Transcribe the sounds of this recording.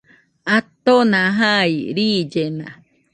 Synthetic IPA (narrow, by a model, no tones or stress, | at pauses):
at̪onãɦaiɾid͡ʒenã̰